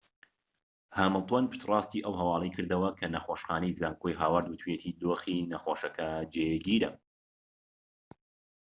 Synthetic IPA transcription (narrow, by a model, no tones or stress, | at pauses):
haːmɨlˠt̪wɐnpʰɨ̥ʃt̪rɑːst̪iːʔɐwɦɐwɑːlˠəjkʰɨɾd̪ɐwɐkʰɐnɐxoːʃxaːnejzaːŋkʰojɦaːwɐɾd̪wɨt̪ʰwet̪ʰiːd̪oːxinɐxoːʃɐkʰɐd͡ʒeɡiːɾɐ̰